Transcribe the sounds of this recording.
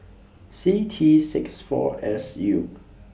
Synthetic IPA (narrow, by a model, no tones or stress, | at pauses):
sitʰisɪksfɔ̰ɛsju